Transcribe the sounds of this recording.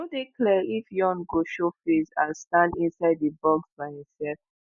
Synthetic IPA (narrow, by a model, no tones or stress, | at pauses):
odiklɛifjɔ̃nɡoʃofezalstãndĩnsaɪd̚ðəbɔɡzbaɪhĩmsɛlf